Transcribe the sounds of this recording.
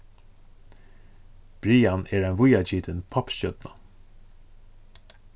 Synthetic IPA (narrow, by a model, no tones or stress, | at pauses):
b̥ɾiːanɛːɾaɪnvʊjat͡ʃiːt̪ɪnpʰɔpʃœt̪na